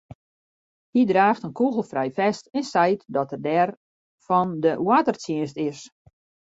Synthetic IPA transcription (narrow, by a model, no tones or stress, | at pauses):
hidraːxtənkuɣəl̩ˠfrɛjfɛstɪnsɛjtdɔtərdɛr | fɔndəwatərtjiənstɪs